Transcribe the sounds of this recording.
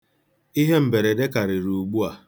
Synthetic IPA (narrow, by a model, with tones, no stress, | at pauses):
i˦ɦe˦m̩˨be˨ɾe˨de˦ka˨ɾɪ˨ɾu˨ɡ͡bu˦a˨